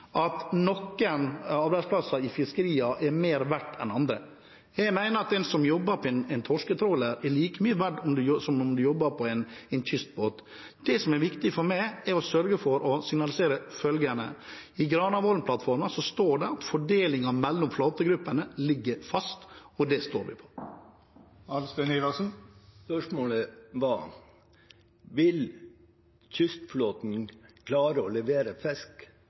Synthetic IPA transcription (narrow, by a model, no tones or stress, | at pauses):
ʔɑt̪nɔkːənɑɾbæɪspʰlɑsɑɪfɪskəɾiːɑʔɛɾmeːɾʋæʈːɛ̰nɑnd̪ɾə | jɛɡmæɪnəɾɑt̪̚d̪ɛnsɔmjɔbːəɾpʰɔɛɪnɛɪnt̪ʰɔʂkət̪ʰɾoːləɾɛɭiːkəmyːʋæɖɔmd̪ʉsɔmʊmd̪ʉjɔbːəɾpʰɔɛɪnɛɪnt̪ʰʏst̪̚boːt̪ | d̪̥ɛsɔmɛɾʋɪkt̪ɪfɔɾmæɪɛɾɔsœɾɡəfɔɾɔsɪŋnɑlɪseːɾəfœlɡənə̰ɪɡɾɑːnɑʋɔɾnpʰlɑt̪fɔɾməsɔst̪oːɖɛɑt̪fɔɖeːlɪŋɑmɛlːʊmfloːt̪əɡɾʉpːənəlɪɡːəfɑst̪ɔd̪ɛst̪oːɾʋɪ̰pʰɔ̥ | ɑlst̪ɛnɪlɑsn̩spœʂmoːləʋɑː | ʋɪl | çʏst̪floːt̪n̩kʰlɑːɾəɔlɛʋeːɾəfɛsk